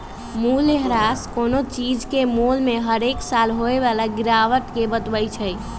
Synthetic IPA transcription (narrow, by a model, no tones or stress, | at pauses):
muleɦɾaskonot͡ʃid͡ʒkemolmeɦəɾeksalɦoeʋalaɡiɾaʋət̪kebət̪bəjt͡ʃʰəj